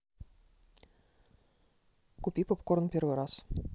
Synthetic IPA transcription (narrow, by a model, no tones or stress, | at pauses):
kupʲipopkoɾnpʲeɾweɾɑs